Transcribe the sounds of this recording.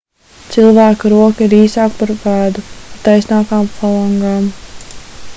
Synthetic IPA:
t̪silˠvaːkuɾuɔkiɾiːsaːkpaɾvaːd̪upat̪ajsnaːkaːmfalˠɔŋɡaːm

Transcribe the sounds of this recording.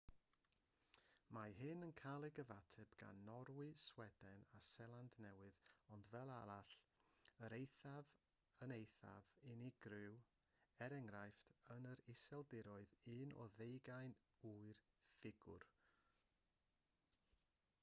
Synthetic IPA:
maɦɨnənkʰalˠɪɡəvatʰɛbɡ̥a̰nːɔɾwɨswɛd̥ɛnasɛlˠandnɛwɨðɔndvɛlˠaɾaɬəɾejθav | ənejθa̰vɪniɡ̥rɪw | ɛɾɛŋrajftʰənəɾɪsɛlˠdɪɾɔɨðɨnɔ̰ðejɡajn | uɨr | fɪɡʊ̰r

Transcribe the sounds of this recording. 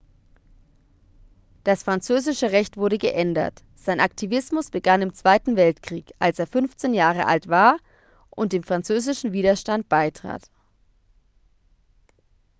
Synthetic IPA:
d̥asfʁ̥ant͡søːzɪʃəʁɛçtv̥ʊɐɾəɡəʔɛndɐ̰t | z̥aɪnʔak̚tʰivɪsmʊsb̥əɡanɪmt͡sv̥aɪtn̩vɛltkʁ̥iːkʔalseːɐfʏnft͡seːnjaːʁ̞əʔa̰ltv̥aːɐ | ʔʊnt̚d̥eːmfʁ̥ant͡søːzɪʃn̩viːdɐʃtant̚b̥aɪtʁ̥a̰ːt

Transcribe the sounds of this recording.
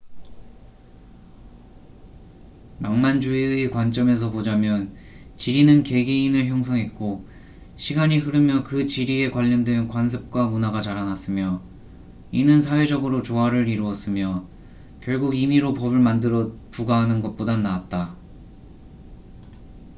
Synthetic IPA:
naŋmand͡ʑuiekwant͡ɕ͈ʌme̞s̬ʰʌpod͡ʑamjʌn | t͡ɕiɾinɯnke̞ɡiinɯɭçjʌŋsʰʌŋɦe̞t̚k͈o | ɕʰiɡaɲiɦɯɾɯmjʌkɯt͡ɕiɾie̞kwaʎːʌndwenkwans̬ʰɯp̚k͈wamunaɡat͡ɕaɾanas͈ɯmjʌ | inɯns̬ʰawe̞d͡ʑʌɡɯɾot͡ɕoɦaɾɯɾiɾuʌs͈ɯmjʌ | kjʌɭɡuɡimiɾopʌbɯɭmandɯɾʌpuɡaɦanɯnɡʌt̚p͈odanaːt̚t͈a

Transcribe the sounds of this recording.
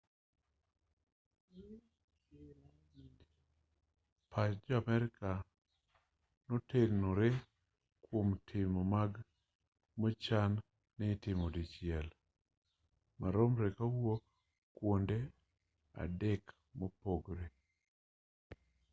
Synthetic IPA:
pʰat͡ʃd͡ʒɔamɛɾɪka | noteɾnoɾe | kwomtʰɪmɔmaɡ | mot͡ʃanː | ɛtɪmodit͡ʃɪɛl | maɾomɾekawo | kwonde | a̰dek | mopoɡɾe

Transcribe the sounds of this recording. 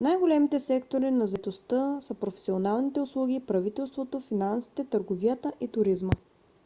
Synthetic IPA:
najɡolɛmit̪ɛsɛkt̪oɾinɐzɛt̪ost̪əsəpɾofɛ̥sionalˠnit̪ɛʊslˠuɡʲipɾɐvit̪ɛlˠst̪vot̪ofinansi̥t̪ɛt̪əɾɡovijət̪əʔit̪ʊɾizmə

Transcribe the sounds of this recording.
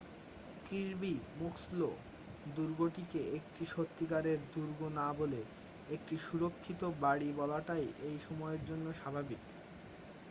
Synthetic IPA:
kiɾbimukslo | d̪uɾɡoʈikeek̚ʈiʃot̪ːikaɾeɾd̪uɾɡonabole | ek̚ʈiʃuɾokʰːit̪obaɽibɔlaʈajʔejʃɔmɔeeɾd͡ʑonːoʃabʱabik

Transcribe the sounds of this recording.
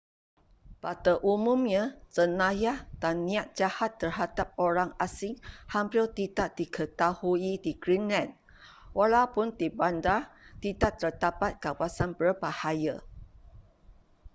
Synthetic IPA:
pat̪əʔumũmɲə̃sənãjad̪anĩat̪̚d͡ʒahat̪ːərhadap̚oɾaŋasɪŋhampilt̪idaʔdikʰət̪ahuidiɡɾinlɛ̃n | walawpʊnd̪ibandat̪idaʔt̪ərd̪apat̪̚kawasanbərbahaja

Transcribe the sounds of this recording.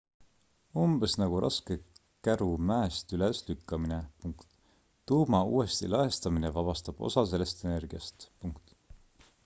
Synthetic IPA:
umb̥esnɑɡ̥uɾʔɑ̰ske̞ | kæɾumæest̪yleslykːɑminepuŋkt̪ː | uːmɑuːe̞st̪ḭlɑɦest̪ɑminevɑb̥ɑst̪ɑb̥o̰sɑse̞le̞st̪ene̞rɡ̥iɑst̪puŋkt̪ˑ

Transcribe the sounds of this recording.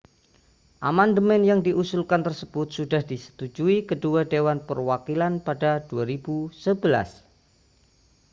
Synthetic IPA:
ʔamandəmɛnjaŋdiʔusulkant̪ərsəb̥ʊt̪̚sudahdisə̥t̪ud͡ʒuikəduadewanpərwakilanpadad̥uaɾibusəbəla̰s

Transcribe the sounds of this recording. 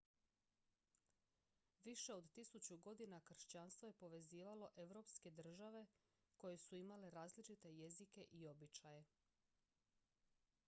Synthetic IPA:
ʋiʃe̞o̞d̪t̪isut͡ɕuɡo̞d̪inakr̩ʃt͡ɕanst̪ʋo̞jepo̞ʋe̞ziːʋalo̞ʔe̞ʋɾo̞pske̞d̪r̩ʒaʋe̞ | ko̞je̞suimale̞ɾaːzlit͡ʃit̪e̞je̞zike̞ʔio̞bit͡ɕaje̞

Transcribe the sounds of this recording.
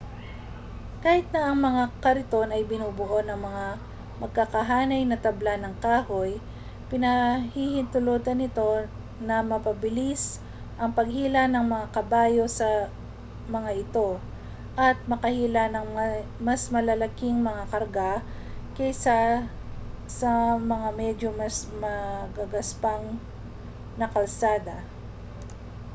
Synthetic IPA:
kaːhɪt̪̚nɐʔɐŋmɐŋakɐɾɪt̪o̞nɐjbɪnuːbʊʔonɐŋmɐŋa | mɐɡ̚kakɐɦaːnɐjnɐt̪ɐblanɐŋkaːho̞j | pɪnɐhihɪnt̪ʊloːt̪ɐnɪt̪o̞ | nɐmɐpɐbɪlis | ʔɐŋpɐɡ̚hiːlɐnɐŋmɐŋakɐbaːjo̞sɐ | mɐŋaʔɪt̪o̞ | ʔɐt̪̚mɐkɐhiːlanɐŋmasmɐlɐlɐkiŋmɐŋakɐɾɡa | kɛjsa | sɐmɐŋamɛd͡ʒomɐsmɐɡaɡɐspaŋ | nɐkɐlsaːd̪ɐ

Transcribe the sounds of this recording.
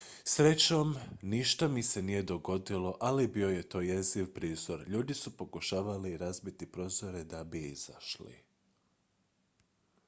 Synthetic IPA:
sɾe̞t͡ɕomniʃt̪amise̞nije̞d̪o̞ɡo̞d̪ilˠo̞ʔalibio̞je̞t̪o̞ːjeziʋpɾiːzo̞ɾʎuːd̪isupo̞kuʃaːʋaliɾazbit̪ipɾo̞ːzo̞ɾe̞d̪abiiz̥a̰ʃlḭ

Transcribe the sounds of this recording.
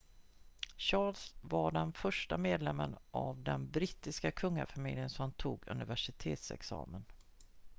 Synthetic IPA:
ɕɑːlsvaɖɛnfœʂʈameːd̪lɛmːənʔavd̪ɛnbɾit̪ːɪskakʰɵŋːa̰famɪljənsɔmt̪ʰuːɡɵ̰nɪvæʂɪt̪ʰeːt̪sɛ̰ksɑ̰ːmən

